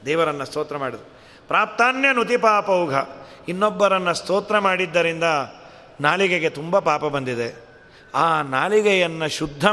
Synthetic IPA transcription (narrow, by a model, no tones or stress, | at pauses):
d̪ɛːʋɐɾɐnːɐst̪oːt̪ɾɐmaːɽid̪u | pɾaːp̚t̪aːnjɐnut̪ipaːpɐwɡʱɐ | inːɔbːɐɾɐnːɐst̪oːt̪ɾɐmaːɽid̪ːɐɾind̪ɐ | naːliɡeɡe̞t̪umbɐpaːpɐbɐnd̪id̪e | aːnaːliɡɛjɐnːɐʃud̪ʱːɐ